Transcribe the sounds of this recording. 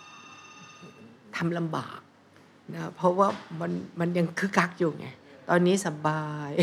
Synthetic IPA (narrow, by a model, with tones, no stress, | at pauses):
t̪ʰa˧mla˧mba̰ː˨˩k̚ | na˦˥pʰɔ˦˥waː˥˩ma˧nma˧nja˧ŋkʰɯ˦˥kʰa˦˥k̚juː˨˩ŋa̰˧˩jt̪ɔː˧nːiː˦˥sa˧baː˧j